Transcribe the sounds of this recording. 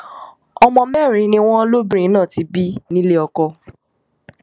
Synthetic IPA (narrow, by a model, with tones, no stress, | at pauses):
ɔ˧mɔ̃˧mɛ˦˨ɾ̃ĩ˨˦nĩ˧w̃ɔ̃˦lo˦bɾĩ˧˦nãː˦˨ti˨˦bi˦nĩ˦le˦ɔ˧kɔ˧